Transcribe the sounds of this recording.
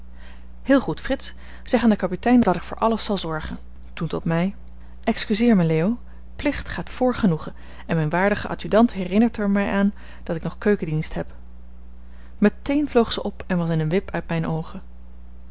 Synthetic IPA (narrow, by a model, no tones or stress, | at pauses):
hɪːlˠχutfrɪts | z̥ɛχaːndəkɑpitɛjnd̥ɑtɪkfʊːɹʔɑləsɑlˠzɔɹχən | tuntɔtmɛj | ʔɛkskyzɪːɹmɛleːow | plɪχtχaːtfʊːɹχənuχə | ɛnmɛjnʋaːɹdəχəʔɑ̰tydɑntɦɛrɪnəɹtəɹmɛjʔaːn | d̥ɑtɪknɔχkøɥkədinstɦɛp | mətejnvlowχsəʔɔpɛnʋɑsɪnənʋɪpœɥtmɛjnowχə